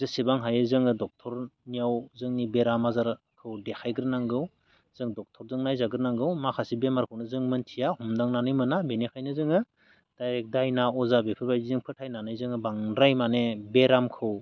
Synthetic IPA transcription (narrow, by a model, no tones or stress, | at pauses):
zɯsibaŋɦajɯzɯŋɯdɔk̚tʰɔɾnijawzɯŋnibeɾamazaɾ | kʰɯwdekʰajɡɯɾnaŋɡɯw | z̥ɯŋdɔk̚tʰɔɾzɯŋnajzaɡɯɾnaŋɡɯwmakʰasibemaɾkʰɯwnɯzɯŋmɯntʰijahumdaŋnanɯjmɯnabenekʰajnɯzɯŋɯ | d̥ajɾek̚dajnaɔzabepʰɯɾbajdizɯŋpʰɯtʰajnanɯjzɯŋɯbaŋɾajmanebeɾamkʰɯw